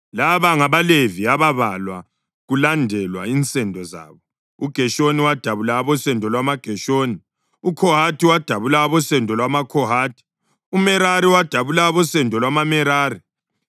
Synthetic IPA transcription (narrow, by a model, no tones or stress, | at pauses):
laβaŋaβaleviaβaβalwa̰ | ɣulandʱɛlwa̰int͡sʼɛndʱɔza̰ːβɔ | uɡ̥ʱɛʃoniwad̥ʱaβulaːβɔsɛndʱɔlwamaɡ̥ʱɛʃoːni | ukʰɔɦatʰiwad̥ʱaβulaːβɔsɛndʱɔlwamakʰɔɦaːtʰi̥ | umɛɾaɾiwad̥ʱaβulaːβɔsɛndʱɔlwamamɛɾaːri